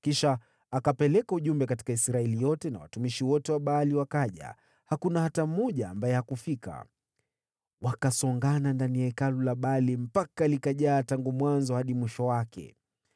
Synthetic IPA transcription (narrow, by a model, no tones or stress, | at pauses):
kiʃaː | kapɛlɛkauʄumbɛkati̥kaisɾaɛlijɔtɛna̰wa̰tumiʃiwɔtɛwaɓaːliwakaʄa̰ | hakunahatamɔʄaːmbajɛhakufika̰ | wakasɔŋɡanandanijaɛkalulaɓaːlim̩pakalikaʄaːtaŋɡumwanzɔhaɗimwiʃɔwakɛ̰